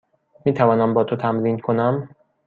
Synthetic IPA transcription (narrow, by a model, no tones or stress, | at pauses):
miːt̪ʰævɒːnæmbɒːt̪ʰot̪ʰæmɾiːnkʰonæm